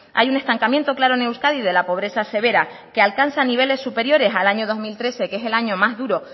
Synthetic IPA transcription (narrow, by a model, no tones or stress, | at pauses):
a̰june̞st̪aŋkamjent̪o̞klaɾo̞ne̞wskaðiðe̞lapo̞β̞ɾe̞sase̞β̞e̞ɾa | ke̞alkansaniβ̞e̞le̞sːupe̞ɾjo̞ɾe̞salaɲoð̞o̞zmilt̪ɾe̞se̞kese̞laɲo̞mazðuɾo̞